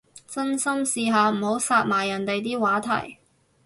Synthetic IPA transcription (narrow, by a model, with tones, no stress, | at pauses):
t͡sɐ˥nsɐ˥msiː˧ɦaː˨˧m̩˨˩ho˨˥wsaː˧t̚maː˨˩jːɐ˨˩nt̪e˨jt̪iː˥waː˨˥t̪ʰɐ̰˨˩j